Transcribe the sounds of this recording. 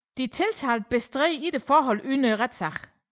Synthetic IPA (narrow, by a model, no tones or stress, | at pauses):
d̥it͡sʰe̝lt͡sʰæ̰ːld̥̚b̥esd̥ʁɛ̰ːid̥efɒːɦɒ̽l̰yːnəʁɛd̥sɑʁ